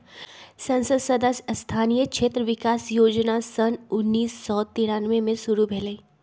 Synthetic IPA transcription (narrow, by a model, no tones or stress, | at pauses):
sɐ̃nsəd̪sɐd̪əsst̪ʰaːnijəkʃʰeːt̪ɾəʋɪkaːsjoːd͡ʒnasɐnʊnːiːsːɔt̪iːɾaːnʋemẽsʊɾubʱɛːlei